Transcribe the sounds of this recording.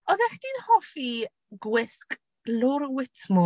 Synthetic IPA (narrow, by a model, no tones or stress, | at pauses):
ɔðɛχd̥inhɔfi | ɡwɪsk | lʊɾwɪtʰmʊ